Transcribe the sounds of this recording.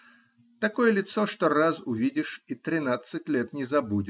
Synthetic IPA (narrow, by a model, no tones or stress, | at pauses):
t̪ɐkɔjəlʲɪt̪soʂt̪ɔrazʊvʲidʲɪʂit̪ɾʲɪnat̪sːɨt̚ʲlʲet̪nʲɪzɐbudʲɪ